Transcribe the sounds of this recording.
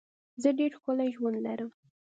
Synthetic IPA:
zəɖeɾxkolaʒwand̪laɾəm

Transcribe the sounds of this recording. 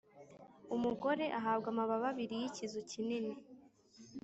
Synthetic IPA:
umuɡo̞ɾe̞ʔaɦaːbɡamaβaβaβiɾijicizocinini

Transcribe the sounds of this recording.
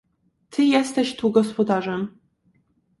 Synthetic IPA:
t̪ʰɘjɛst̪ɛɕt̪uɡɔspɔd̪aʐɛm

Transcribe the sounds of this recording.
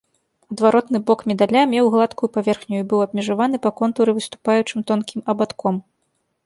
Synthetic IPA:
ɐd̪vaɾɔt̪nɨbɔkmʲɛd̪alʲamʲɛwɣlˠat̪kujupavʲɛrxnʲujuibɨwɐb̚ʲmʲɛʐavan̪ɨpɐkɔnt̪uɾɨvɨst̪u̥pajut͡ʂɨmt̪ɔnkʲʰimɐbat̪kɔm

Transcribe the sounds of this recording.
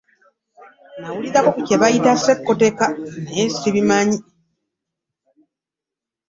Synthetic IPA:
nawulizakokuceβajitasekːote̞kaneesiβimaɲi

